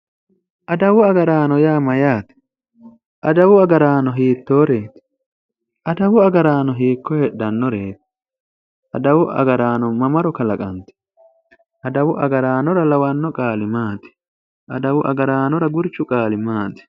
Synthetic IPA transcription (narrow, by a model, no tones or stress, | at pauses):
ʔɐd̪ɐwʊɐɡɐɾaːnɔjaːmɐjaːt̪ɪ̥ | ʔɐd̪ɐwʊɐɡɐɾaːnɔɦiːt̪ːo̞ːɾe̞ːt̪ɪ̥ | ʔɐd̪ɐwʊɐɡɐɾaːnɔɦiːkːɔheɗɐnːɔɾe̞ːt̪ɪ̥ | ʔɐ̰d̪ɐwʊʔɐ̰ɡɐɾaːnɔmɐmɐɾɔkɐlɐkʼɐnt̪ɛ̥ | ʔɐd̪ɐwʊʔɐ̰ɡɐɾaːnɔɾɐlɐwɐnːɔkʼaːlɪmaːt̪ɪ̥ | ʔɐd̪ɐwʊʔɐ̰ɡɐɾaːnɔɾɐɡʊɾt͡ʃːʊkʼaːlɪmaːt̪ɪ̥